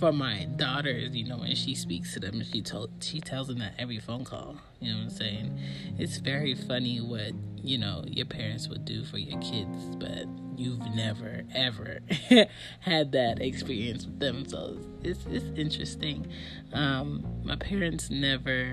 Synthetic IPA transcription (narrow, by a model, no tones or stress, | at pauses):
fə˞maɪdɔɾə˞zjɨnoʊwɨ̰̃nʃispikstʰɨðɨ̰̃mʃitʰoʃitʰɛlˠzɨ̃ŋðɨɾɛvɹifõʊ̃nkʰɔ̰lˠ | jɨnõseɪɪ̃ŋɨtsvɛɹifʌniwʌt̚jɨnoʊjə̰˞pʰɛɹɨ̃ntswɨ̰dɨfə˞jə̰˞kʰɪdz̥b̥ʌ̰t̚jʉvnɛvə˞ɛvə̰˞ | hɨd̪̚ðɨɾɪkspɪɹiɨ̃nswɨðɨ̃mso̰ʊz | ɪtsɪtsɪ̃nt͡ʃɹ̥ɨstɪ̃ŋ | ʌ̃mːa̰ɪpʰɛɹɨ̃ntsnɛvə˞